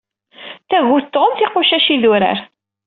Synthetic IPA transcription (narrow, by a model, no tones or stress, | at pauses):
θæʝʊt̪ːomθiquʃæʃiðuɾə̰ɾ